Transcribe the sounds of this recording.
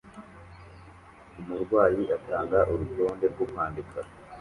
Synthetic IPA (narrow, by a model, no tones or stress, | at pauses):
umuɾɡwaːjiʔataːŋɡaʔuɾuto̞ːnde̞ɾɡumhaːndikʰa